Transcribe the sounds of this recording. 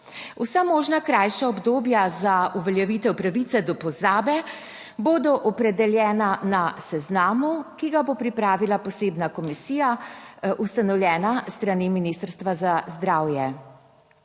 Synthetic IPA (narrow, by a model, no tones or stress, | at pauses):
usamoːʒnakɾajʃaɔbd̪oːbjazauʋɛljɛʋiːt̪ɛwpɾaʋit̪sɛd̪ɔpɔzaːbɛ | boːd̪ɔʔɔpɾɛd̪ɛljɛːnanasɛznaːmukiɡabopɾipɾaːʋilapɔseːbnakɔmisiːja | ust̪anɔwljɛːnast̪ɾaniminist̪əɾst̪ʋazazd̪ɾaːwjɛ